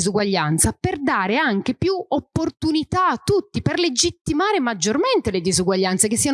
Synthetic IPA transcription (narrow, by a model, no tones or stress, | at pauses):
zuɡwaʎːant̪saperd̪aːɾeaŋk̟epjuopːort̪unit̪aːt̪ːut̪ːiperled͡ʒit̪ːimaːɾemad͡ʒːorment̪eled̪izuɡwaʎːant̪sekesːiːa